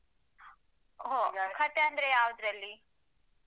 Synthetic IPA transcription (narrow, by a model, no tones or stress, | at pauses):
ɦokʰɐt̪ːeɐnd̪ɾejaːʋud̪ɾɐlːi